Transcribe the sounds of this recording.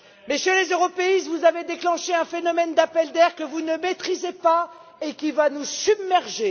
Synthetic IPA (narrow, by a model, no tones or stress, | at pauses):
mesjəlezøʁɔpeist̪vuzaved̪eklɑ̃ʃeɛ̃fenɔmɛnd̪apɛld̪ɛʁkəvunəmet̪χizepa | ekʲivanusybmɛʁʒe